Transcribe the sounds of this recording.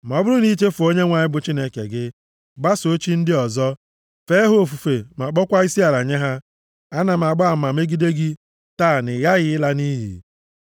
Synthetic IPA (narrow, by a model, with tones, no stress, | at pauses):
m˨ɔ˨bʊ˦ɾʊ˦ni˦t͡ʃe˦fʊ˨o˦ɲe˦ŋʷa˨ɲɪ˦bʊ˨t͡ʃi˦ne˦kḛ˨ɡɪ˦ | ɡ͡ba˦so˦t͡ʃi˦n̩˦dɪ˦ɔ˨zɔ˦ | fe˦ɦo˦o˦˨fu˨fe˨ma˨k͡pɔ˦kʷa˦i˦si˦a˨ɾa˨ɲe˦ɦa˦ | a˦na˨m̩˨a˨ɡ͡ba˦a˦˨˦ma˨me˦ɡi˦de˦ɡi˦ | taː˦˨nɪ˨ɣa˦ɣɪ˦ɪ˦la˦ni˦ɦḭ˨